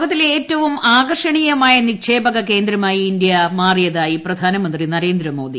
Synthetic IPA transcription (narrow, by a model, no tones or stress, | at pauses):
ɣɐt̪ːileːtːɐʋumaːɡɐrʂɐɳijɐmaːjɐnikʂe̞ːbɐɣɐke̞ːnd̪ɾɐmaːjiːind̪jɐmaːrijɐðaːjiprɐd̪ʱaːnɐmɐnd̪rinɐɾe̞ːnd̪ɾɐmo̞ːd̪i